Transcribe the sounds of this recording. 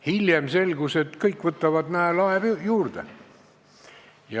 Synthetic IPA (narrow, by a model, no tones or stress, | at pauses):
hilʲjemse̞lɡ̥use̞t̪kɤjkːvɤt̪ːˑɑvɑd̪næelɑevjuːrd̪̥ḛ | jɑ